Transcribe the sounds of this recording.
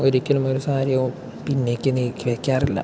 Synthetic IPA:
o̞ɾikʲːɐlumo̞ɾusaːɾijo | pinːe̞ːkʲːeniːkːiʋekʲːaːrilːɐ̰

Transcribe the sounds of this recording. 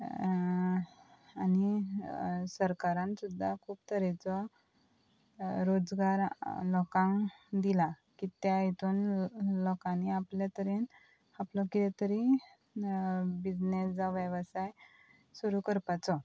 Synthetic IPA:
ani | səɾkaɾãnsud̪ʱːakʰuːpt̪ʰəɾɛt͡sɔ | ɾod͡zɡaɾlɔkãŋd̪ila | kit̪jait̪uːnlɔkãniapljat̪əɾin | aplɔkit̪at̪əɾi | bid͡znesd͡zaʋjəʋsaj | suɾukəɾpat͡sɔ

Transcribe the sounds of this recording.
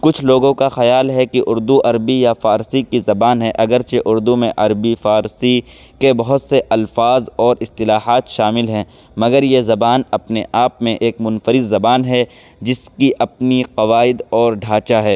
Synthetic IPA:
kʊt͡ʃʰloːɡõkaxɐjaːlɦɛkiʔʊɾd̪uʔɐɾbijafaːɾsikizɐbaːnɦɛʔɐɡəɾt͡ʃʰeʔʊɾd̪umẽʔɐɾbifaːɾsi | kebɐɦʊt̪seʔɐlfaːzɔːɾɪst̪ɪlaːɦaːt̪ʃaːmɪlɦɛ̃ː | mɐɡəɾjezɐbaːnɐpneʔaːpmẽʔeːkmʊnfəɾɪd̪ːɐbaːnɦɛ | d͡ʒɪskiʔɐpniqɐʋaːɪd̪ɔːɾɖʱaːt͡ʃaɦɛː

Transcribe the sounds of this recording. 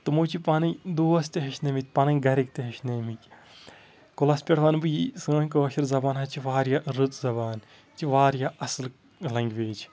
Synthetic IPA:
t̪ɨmoːt͡ʃʰipaːnɐd̪oːɐst̪eɦɐʃneːmit̪̚ʲpɐnɐŋɡɐɾik̚t̪eɦɐʃneːmikʲ | kolɐspʲeɽʋaːnbɨjisɨːɐnʲkɨʋɐʃiɾzɐbaːnɦɐt͡ʃʰiʋaːɾjaɾɨt͡s̪zɐbaːn | t͡ʃiʋaːɾjaʔɐsɨl | lɐŋɡʲʋeːt͡ʃʰ

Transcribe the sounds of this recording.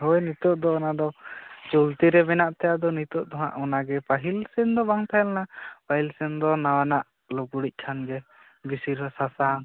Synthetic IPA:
ɦojnit̪ɔʔd̪ɔɔnad̪ɔt͡ʃult̪iɾɛbɛnaʔt̪ʰɛjad̪ɔnit̪ɔʔt̪ɔɦa̰ʔɔnaɡɛpaɦilsɛnd̪ɔbaŋt̪ʰaɛlnapaɦilsɛnd̪ɔnawanaʔ | loɡuɽic̚ˀkʰanɡɛ | bisiɾɔsasan

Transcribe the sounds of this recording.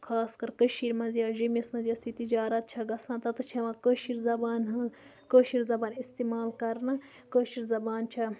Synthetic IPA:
kʰaːskɐɾkəʃiːɾmɐzijɐːʒimismɐzijɐst̪it̪id͡ʒaːɾɐt̪̚t͡ʃʰɐɡɐsãːt̪ɐt̪t͡ʃʰɐʋɐ̃kəːʃiɾzɐbaːnɦɐ | kəːʃiɾzɐbaːnist̪iːmaːlkɐɾnɐ | kəːʃiɾzɐbaːnt͡ʃʰɐ

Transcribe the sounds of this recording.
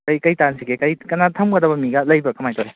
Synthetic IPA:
kɐjkɐjtansiɡekɐjkɐnatʰɐmɡɐdɐbɐmiɡɐlɐjbɐkɐmajtʰoɾe

